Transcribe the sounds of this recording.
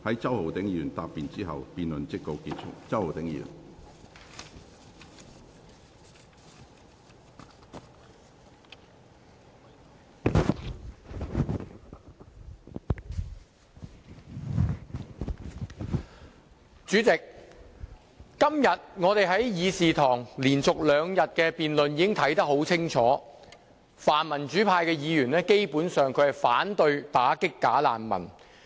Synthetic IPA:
hɐ˨˥jt͡sɐ˥who˨wt̪ɪ˨˥ŋjyː˨˩nt̪aː˨˧pːiː˨nt͡siː˥ɦɐ˨wpiː˨nlɵ˨nt͡sɪ˥k̚t̪o˨˧wkiː˧t̚t͡ʃʰʊ̰˥k̚t͡sɐ˥who˨wt̪ɪ˨˥ŋjy̰ː˨˩n | t͡ʃyː˨˥t͡sɪ˨k̚ | ɐ˥mjɐ˨t̚ŋɔː˨˧t̪e˨jɦɐ˨˥jjiː˨˧siː˨t̪ʰɔː˨˩ŋliː˨˩nt͡sʊ˨k̚lœː˨˧ŋjɐ˨t̚kɛː˧piː˨nlɵ˨njiː˨˧kɪ˥ŋt̪ʰɐ˨˥jt̪ɐ˥k̚ho˨˥wt͡sʰɪ˥ŋt͡sʰɔː˨˥ | faː˨˩nmɐ˨˩nt͡ʃyː˨˥pʰaː˧jkɛː˧jiː˨˧jyː˨˩nlɛː˥ke˥jpuː˨˥nsœː˨ŋkʰɵ˨˧hɐ˨˩faː˨˥nt̪ɵ˧ɥt̪aː˨˥kɪ˥kːaː˨˥la̰ː˨nmɐ̰˨˩n

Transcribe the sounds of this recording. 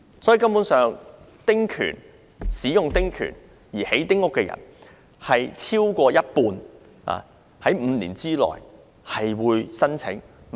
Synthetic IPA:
sɔ˨˥i˨˧kɐ˥mpuː˨˥nsœː˨ŋ | t̪ɪ˥ŋkʰy̰ː˨˩n | siː˨˥jʊ˨ŋt̪ɪ˥ŋkʰy̰ː˨˩n | jiː˨˩he˨˥jt̪ɪ˥ŋʊ˥kːɛː˧jɐ̰˨˩n | hɐ˨jt͡sʰiː˥wkʷɔː˧jɐ˥t̚puː˧n | a̰ː˨ | hɐ˨˥jm̩˨˧lḭː˨˩nt͡siː˥lɔ̰ː˨˩j | hɐ˨jwuː˨˧jsɐ˥nt͡sʰɪ˨˥ŋ

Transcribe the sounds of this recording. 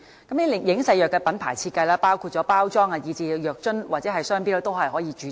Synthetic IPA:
kɐ˨˥mniː˥˨jɪ˨˥ŋsɐ˧jœː˨kːɛ˧pɐ˨˥npʰa̰ː˨˩jt͡sʰiː˧t̚kːɐ˧jlɛː˥paː˥wkʰu˧t̚t͡ʃɔː˨˥paː˥wt͡sɔː˥ŋa˧jiː˨˧t͡siː˧jœː˨k̚t͡ʃɵ˥nwaː˨t̚t͡sɛ˨˦˥ɦɐ˨jsœː˥ŋpiː˥lɛ˥t̪o˥wɦɐ˨jɦɔː˨˥jiː˨˧t͡ʃyː˨˧

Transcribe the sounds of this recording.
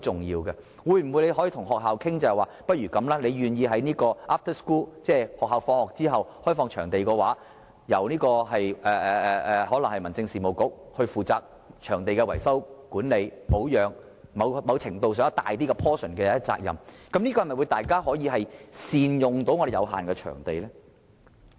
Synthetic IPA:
o˨wt͡sʊ˨ŋjiː˧wɡɛ˧ | wuː˨˧jm̩˨˩mwjne˨˧ɦɔː˨˦˥jiː˧t̪ʰʊ˨˩ŋɦɔː˨˩k̚ɦaː˨wkʰɪ˥ŋt͡sɐ˨˧hɛ˨jwaː˨pɐ˥t̚ɥyː˨˩kɐ˨˧˥mlaː˥ne˨˧jɥyː˨njiː˨˧ɦɐ˨˥jniː˥kɔː˧ʔaː˥f̚t̪ʰə˥skuː˥lt͡sɛː˥˩hɔː˨k̚ɦaː˨wfɔː˧ŋhɔː˨k̚t͡siː˥ɦɐ˨whɔː˥jfɔː˧ŋt͡ʃʰœː˨˩ŋt̪e˨jkɔː˧waː˨˥ | jɐ˨˩wniː˥kɔː˧ɦɐ˨jʔɛː˨ɛː˨ɛ˨ɛː˨hɔː˨˥lɐ˨˩ŋhɐ˨jmɐ˨˩nt͡sɪ˧ŋsiː˨˩mo˨wkʊ˨˥k̚hɵ˧ɥfuː˨t͡saː˧k̚ | t͡ʃʰœː˨˩ŋt̪e˨jkɛː˧wɐ˨˩jsɐ˥wkuː˨˥nle˨˧jpo˨˥wjœː˨˧ŋ | mɐ˨˧wmɐ˨˧wt͡sʰɪ˨˩ŋt̪o˧ws̬œː˨˥ŋɐ˥t̪a̰ː˨jt̪iː˥kɛ˧pʰɔː˥sɵ˨˩nkɛː˧˥t͡sa̰ː˧k̚jɐ̰˨mkɐ˨˥mniː˥kɔː˧hɐ˨˩mɐ˨˩wjt̪aː˨jkaː˥ɦɔː˨˥jiː˧ɦɐ˨jsiː˨njʊ˨ŋt̪o˨˥wŋɔː˨˧de˨jɐ˨˧wɦa̰ː˨nkɛː˧t͡ʃʰœ̰ː˨˩ŋt̪e˨jlɛː˥

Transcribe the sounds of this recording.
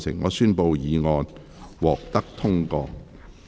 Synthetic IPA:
sɪ̰˨˩ŋːɔː˨˧syː˥npo˧wjiː˨˧ŋɔː˧n | wɔː˨k̚t̪ɐ˥k̚t̪ʰʊ˥ŋkɔː˧k

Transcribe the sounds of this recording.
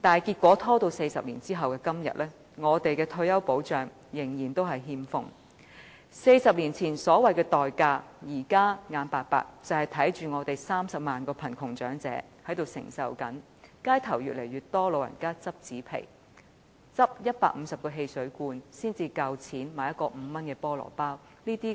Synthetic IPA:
t̪aː˨˩nkiː˧t̚kʷɔː˨˥t̪ʰɔː˥t̪o˧wse˧jsɐ˨p̚lḭː˨˩nt͡siː˥ɦɐ˨wkɛː˧kɐ˥mjɐ̰˨t̚lɛː˥ | ŋɔː˨˧t̪e˨jkɛː˧t̪ʰɵ˧ɥjɐ˥wpo˨˥wt͡ʃœː˨˩ŋ | jɪ˨˩ŋjiː˨˩nt̪o˥wɦɐ˨jɦiː˧mfʊ̰˧ŋ | se˧jsɐ˨p̚liː˨˩nt͡sʰiː˨˩nsɔː˨˥wɐ˨˩jkɛː˧t̪ɔː˨jkaː˧jiː˨˩kaː˥ŋaː˨˧npaː˨t̚pa̰ː˨˧k̚t͡sɐ˨whɐ˨jt̪ʰɐ˨˥jt͡ʃyː˨ŋɔː˨˧t̪e˨jsaː˥msɐ˨p̚maː˨nkɔː˧pʰɐ˨˩nkʰʊ˨˩ŋt͡ʃœ̰ː˨˥ŋt͡sɛ̰ː˨˥hɐ˨˥jt̪o˨wsɪ̰˨˩ŋsɐ̰˨wkɐ̰˨˥n | kaː˥jt̪ʰɐ˨˩wjyː˨t̚le˨˩jɥyː˨tt̪ɔː˥lo˨˧wjɐ̰˨˩nkaː˥t͡sɐ˥p̚t͡siː˨˥pʰḛ˨˩j | t͡sɐ˥p̚jɐ˥t̚paː˧k̚m̩˨˧sɐ˨p̚kɔː˧ɦe˧jsɵ˨˥ɥkuː˧nsiː˥nt͡siː˧kɐ˧wt͡sʰiː˨˥nmaː˨jɐ˥t̚kɔː˧m̩˨˧mɐ˥nkɛː˧pɔː˥lɔ̰ː˨˩paː˥w | niː˥t̪iː˥

